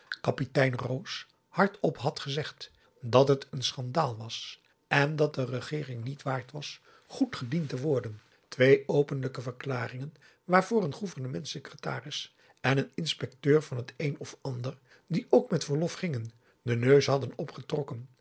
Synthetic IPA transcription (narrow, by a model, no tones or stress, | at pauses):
kɑpitɛjnrows | hɑɹtɔpɦɑtχəzɛχt | dɑtɦətənsχɑndaːlˠʋɑs | ɛndɑt̚dərəχɪːrɪŋnitʋaːɹtʋɑs | χutχədintəʋɔɹdən | tʋejowpənləkəvəɹklaːrɪŋən | ʋaːɹvʊːɹənχuvəɹnəmɛntsəkrəta̰ːrɪs | ɛnənɪnspɛk̚tøːɹvɑnɦətejnɔfɑndəɹ | diʔowkmɛtfəɹlɔfχɪŋən | dənøɥsɦɑdənɔpχətrɔkən